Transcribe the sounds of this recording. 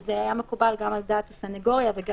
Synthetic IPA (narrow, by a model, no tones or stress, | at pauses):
zeajamekubalɡamald̪aːt̪hasaneɡo̞ʁjaveɡ